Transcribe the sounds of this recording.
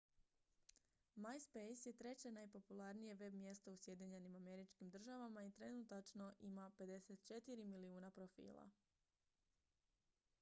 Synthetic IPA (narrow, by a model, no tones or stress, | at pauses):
majspe̞jsje̞t̪ɾe̞t͡ɕe̞najpo̞pulˠaɾnije̞ʋe̞bmje̞st̪ousje̞d̪iɲe̞nimame̞ɾit͡ʃkimd̪r̩ʒaʋamait̪ɾe̞nut̪at͡ʃno̞ʔimape̞d̪e̞set̪t͡ʃe̞t̪iɾimiliuːnapɾofḭːlˠa̰